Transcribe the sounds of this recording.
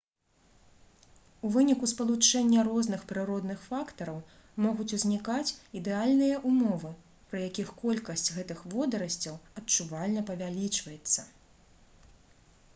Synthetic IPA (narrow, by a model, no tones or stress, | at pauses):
uvɨnʲikuspɐlˠut͡ʂɛnʲːɐɾɔznɨxpɾɨɾɔd̪nɨxfakt̪ɐɾɐw | mɔɣut͡sʲuzʲnʲikat͡sʲid̪ɛalʲnɨjɐʔumɔvɨ | pɾɐjakʲixkɔlʲkɐsʲt͡sʲɣɛt̪ɨxvɔd̪ɐɾɐsʲt͡sʲɐwɐtt͡ʂuvalʲnɐpɐvʲalʲit͡ʂvɐjɛt̪sːɐ